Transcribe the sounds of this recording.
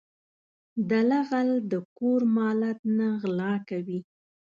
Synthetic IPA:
d̪alaɣald̪əkoɾmɑlat̪naɣlɑkawi

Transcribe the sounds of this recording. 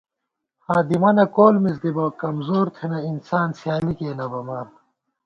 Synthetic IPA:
haːd̪imɐnɐkoːlmiz̬d̪ibɐwkɐmzoːɾt̪ʰenɐinsaːnsjaːlikeːnɐbɐmɐɾ

